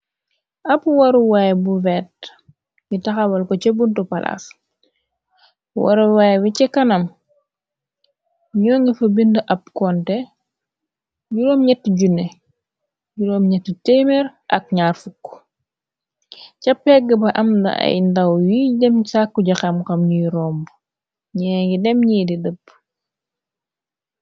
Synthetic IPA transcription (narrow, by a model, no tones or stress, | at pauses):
ʔɐpwɐɾuwajbuvɛːt̚ | ɲitɐxawɐlkɔcebuntɔpɐla̰s | wa̰ɾuwajwicɛkɐnɐm | ɲɔːŋɡifɐbindəʔɐp̚kɔntɛ | ɟuɾɔːmɲɛtːɟune | juɾɔːmɲɛtːətɛmɛɾʔɐk̚ɲaːrfukː | cɐpːɛɡɐbɐʔɐmdɐ̰ɐ̰jndɐwjidɛmsakːuɟɐxɐmkɐmɲijɾɔːmb | ɲɛŋɡidɛmɲiːdidəpː